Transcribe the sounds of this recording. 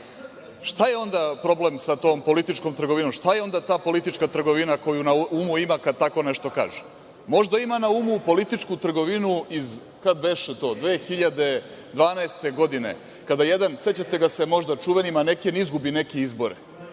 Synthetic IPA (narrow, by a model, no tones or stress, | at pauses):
ʃt̪aje̞o̞nd̪apɾo̞blemsat̪o̞ːmpo̞lit̪it͡ʃko̞mt̪ɾr̩ɡo̞ʋinomʃt̪ajeo̞nd̪at̪aːpo̞lit̪it͡ʃkat̪r̩ɡoʋinako̞junaumuimakad̪̚t̪ako̞neʃt̪o̞ka̰ːʒe | mo̞ʒd̪aimanaumupo̞lit̪it͡ʂkut̪r̩ɡo̞ʋinuiz | kad̪beʃet̪o̞ːd̪ʋeːxiʎad̪e̞ | d̪ʋaːnaest̪e̞ɡo̞d̪ine̞̰ | kad̪aje̞d̪anse̞t͡ɕat̪e̞ɡase̞mo̞ʒd̪at͡ʂuʋenimane̞kenizɡubine̞kiizbo̞ɾe